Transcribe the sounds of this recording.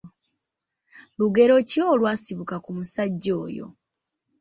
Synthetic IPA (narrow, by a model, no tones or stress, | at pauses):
luɡe̞ɾo̞cioːlwaːsiβukakumusaɟːo̞ːjo̞̰